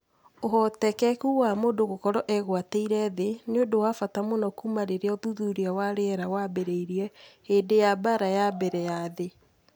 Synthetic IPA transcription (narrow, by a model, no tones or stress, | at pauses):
oɦɔtɛkɛkuwamoːdoɣokɔɾɔʔɛɣwateiɾɛðeneodowafatamonakumaɾeɾeɔðuðuɾeawaɾeɛɾawabeɾeiɾiɛheːdejabaɾajabɛɾɛjaðe